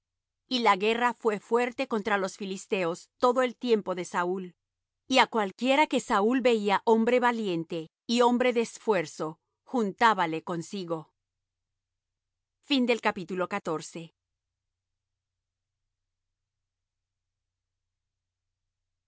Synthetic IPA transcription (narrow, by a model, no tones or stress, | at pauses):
ilaɣe̞rafwe̞fwe̞ɾt̪e̞ko̞nt̪ɾalo̞sfilist̪e̞o̞st̪o̞ðo̞e̞lt̪je̞mpo̞ðe̞saul | iakwalkje̞ɾake̞saulbe̞iaʔo̞mbɾe̞βalje̞nt̪e̞ | io̞mbɾe̞ðeːsfwe̞ɾso̞ | xunt̪aβale̞ko̞nsiɣo̞ | find̪e̞lkapit̪ulo̞kat̪o̞ɾse̞